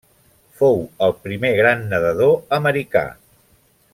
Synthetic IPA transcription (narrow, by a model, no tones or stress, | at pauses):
fowəlˠpɾimeɣ̞ɾanːəðəð̞oəməɾika̰